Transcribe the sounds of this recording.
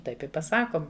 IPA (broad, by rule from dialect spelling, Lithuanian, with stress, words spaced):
ˈtɐɪp ɪ pɐˈsɑːkoːm